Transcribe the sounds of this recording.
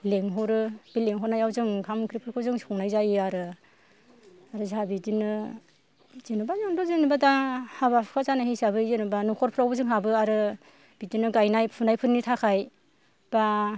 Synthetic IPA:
leŋɦɔwɾɯb̥ileŋɦɔnajawzɯŋkʰamkʰɾipʰɯɾkʰɯzɯŋskʰɔŋnajzajɯaɾɯ | aɾɯzabidinɯ | zenubazɔndɔzɯnibadahaβapʰkʰazanahejsaβɯzenubanukʰɔɾpʰɾawbɯzɯŋɦabɯaɾɯ | b̥idinɯɡajnajpʰunajpʰɯɾnitʰakʰaj | b̥a

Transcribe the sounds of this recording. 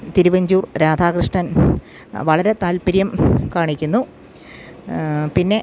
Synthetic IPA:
t̪iɾuʋɐɲd͡ʑuːrɾaːd̪ʱaːkɾɨʂʈɐn | ʋɐɭɐɾe̞t̪aːlpiɾjɐmkaːɳikʲːunːu | pinːe̞

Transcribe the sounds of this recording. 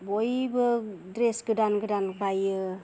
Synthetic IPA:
bojbɯdɾesɡɯdanɡɯdankajɯ

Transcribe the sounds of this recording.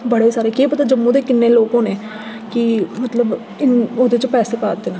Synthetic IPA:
bəɽeːsaːɾeːkeːpət̪aːd͡ʒəmːũːd̪eːkɪnːeːloːkõːneː | kɪmət̪ləb | ɪnoːd̪eːt͡ʃəpɛːseːpaːd̪eːnãː

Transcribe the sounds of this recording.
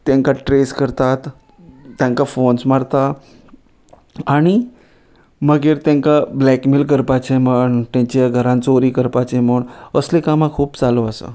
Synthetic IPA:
t̪jãŋkaʈɾeskəɾt̪at̪ː | jãŋkafonsmaɽt̪a | aɽ̃i | məɡeɾt̪jãŋkablɛkmilk̬əɾpat͡ɕeməɳt̪ãɲt͡ɕaɡʱəɾãnt͡soɾiːkəɾpat͡sem̤əɳəslekamãkʰuːbt͡saloəsə̰

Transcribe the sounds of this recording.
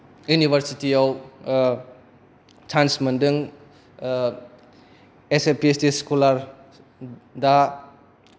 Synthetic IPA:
junibʱɐɾsitijaw | tʰansmɐndɯŋ | esepiestiskolaɾ | da

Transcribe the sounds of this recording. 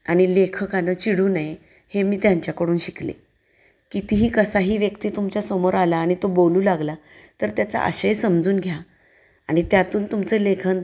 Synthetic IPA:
aɽ̃ilekʰəkanəːt͡ɕiɽuːnaje | hemiːt̪jaɲt͡ɕjakəɽuːnɕiklḛ | kit̪iɦiːkəsaɦiːʋjəkt̪iːt̪umt͡ɕasəmoɾalaːɽ̃it̪oboluːlaɡla | t̪əɾt̪jat͡sa̰ʔə̰ɕəjsəmd͡zuːnɡʱja | aɽ̃it̪jat̪uːnt̪umt͡səlekʰən

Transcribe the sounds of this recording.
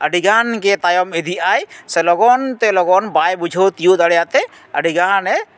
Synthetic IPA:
əɖiɡankɛt̪ajɔmed̪ʱiajsɛlɔɡɔnt̪ɛlɔɡɔnbajbud͡ʒʱot̪ijud̪əɽjat̪ɛ | ə̰ɖiɡanɛ

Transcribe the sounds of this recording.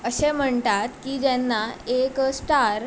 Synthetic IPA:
əɕem̤əɳt̪at̪kiːd͡ʑɛnːaeksʈaɾ

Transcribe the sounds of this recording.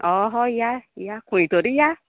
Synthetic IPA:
ɔɦɔijaijakũĩtoɾija

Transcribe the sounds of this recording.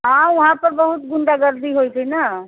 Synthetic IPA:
ɦãːʋɐɦãpɐɾbɐɦʊt̪̚ɡʊɳɖaɡəɾd̪iɦoːit̪ʰinaː

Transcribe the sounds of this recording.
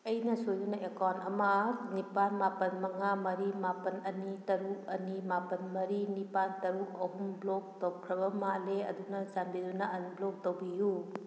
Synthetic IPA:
ɐjnɐsojdunaʔekawnɐmɐnipanmapɐnmɐŋamɐɾimapɐnɐnitɐɾuk̚ɐnimapɐnmɐɾinipantɐɾuk̚ɐɦumblɔk̚towkʰɾɐbɐmaleɐ̰dunɐzanbidunaɐnblɔk̚towbiju

